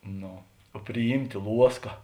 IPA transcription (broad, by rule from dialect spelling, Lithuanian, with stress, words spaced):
ˈnoː oː pʲrʲɪˈjiːmʲtʲeː ˈlˠuɔskɐ